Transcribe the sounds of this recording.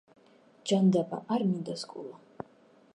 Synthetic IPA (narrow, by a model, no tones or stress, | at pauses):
d͡ʒand̪aba̰ʔaɾmind̪askʼṵlˠa